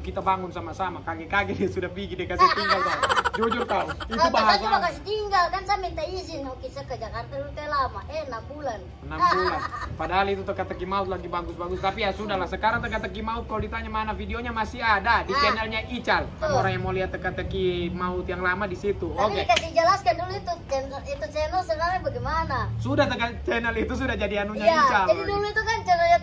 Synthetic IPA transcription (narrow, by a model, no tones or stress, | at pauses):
kit̪abaŋʊnsamasamakaɡɛkaɡɛdiasudahpiɡidiakasit̪iŋɡalt̪ad͡ʒud͡ʒʊrt̪auibaɦasubakasit̪iŋɡalkansampit̪aisɪaukisəkəd͡ʒakart̪adut̪ɛlamaʔɛənambulan | nabulanpadaɦalit̪ut̪əkat̪əkimaʊt̪̚laɡibaɡʊsbaɡʊst̪apijasudahlasəkaɾaŋt̪əkat̪ːəkimaʊt̪̚kalodit̪aɲamanafidioɲamasiadadit͡ʃɛnɛlɲaʔit͡ʃaloɾaŋjaŋmoliɦat̪ːəkat̪əkimaʊt̪jaŋlamadisit̪uaokiekasid͡ʒəlaskanduluit̪ut͡ʃɛnit̪ut͡ʃɛnɛlsənaabaɡɛjmanasudaht̪əkat͡ʃɛnɛlit̪us̬udahd͡ʒadianuɲajit͡ʃald͡ʒadiduluit̪ukant͡ʃɛnɛlɲa